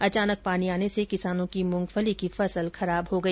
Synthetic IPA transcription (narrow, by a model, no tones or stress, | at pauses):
ɐt͡ʃaːnək̚paːniaːnesekɪsaːnõkimʊ̃ŋɡfəlikifɐsəlxɐɾaːbɦoɡɐiː